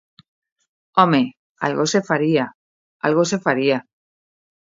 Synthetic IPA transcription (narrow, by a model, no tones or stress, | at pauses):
ome | a̰lɣosefaɾia | a̰lɣos̬efaɾia